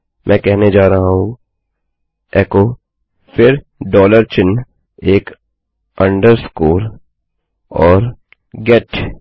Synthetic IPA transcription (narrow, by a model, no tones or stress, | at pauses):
mʔɛ̃ːkɛɦned͡ʒaːɾɐɦaɦũ | ɛːko | fɪɾ | ɖɔːləɾt͡ʃɪn | eːk | ɐ̃ɳɖəɾskoːɾ | ɔːɾ | ɡɛʈ